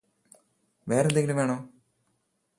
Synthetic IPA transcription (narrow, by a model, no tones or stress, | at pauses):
ʋeːɾend̪eŋɡilumʋeːɳoː